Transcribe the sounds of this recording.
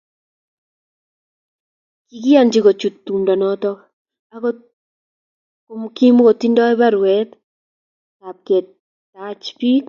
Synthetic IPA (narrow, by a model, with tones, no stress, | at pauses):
ki˨ki˦ja˦˨nd͡ʒi˦ko˨t͡ʃu˨t̪ːu˨mdɔ˨nɔ˦t̪ɔ˦ | a˦kɔ | ko˨mki˦m˦ko˨t̪i˦ndɔ˦ɛ˦ba˦ɾwɛ˦t̪ | ta˨p̚kɛ˨t̚ | tat͡ʃpi˦k